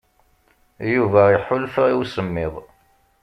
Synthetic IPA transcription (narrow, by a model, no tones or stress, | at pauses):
juvæiħʊlfʁiwsəmːɪðˤ